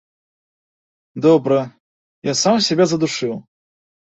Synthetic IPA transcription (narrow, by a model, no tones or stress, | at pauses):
d̪ɔbɾɐ | jasamsʲɛbʲazɐd̪uʂɨw̪ˠ